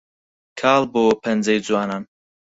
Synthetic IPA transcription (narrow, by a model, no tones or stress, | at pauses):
kʰaːlˠboːpʰɐnd͡zɛjd͡zuwaːnaːn